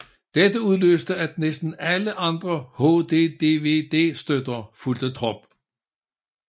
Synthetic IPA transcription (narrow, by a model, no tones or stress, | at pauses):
d̥ed̥əuðˠløːsd̥əæd̥̚nesd̥n̩æləʔɑ̈nd̥ʁɐhod̥e̝ːd̥e̝ːʋe̝̰ːd̥e̝̰ːsd̥ød̥ɐfuld̥ət͡sʰʁɔ̽b̥